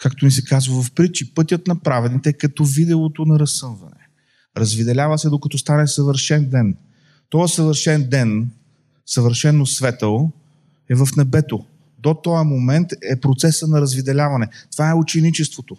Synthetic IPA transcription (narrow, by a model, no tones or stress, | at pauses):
kakt̪omisɛkazvɐvɐfpɾit͡ʃipɤt̪ʲət̪nɐpɾavɛd̪nit̪ɛkɐt̪ɔvid̪ɛot̪onɐɾɐsɤmvɐ̰nɛ̰ | ɾɐzvid̪ɛlʲavɐsɛd̪okɐt̪ɔst̪anɛsɐvəɾʃɛnd̪ɛn | t̪ɔjəsəvəɾʃɛnd̪ɛn | sɐvəɾʃɛnːosvɛt̪əlˠo | ɛvɐfnɛbɛt̪o | d̪ot̪ɔjəmomɛnt̪ɛpɾot̪sɛsənɐɾɐzvid̪ɛlʲavɐnɛt̪v̥aɛut͡ʃɛnit͡ʃɛst̪vot̪o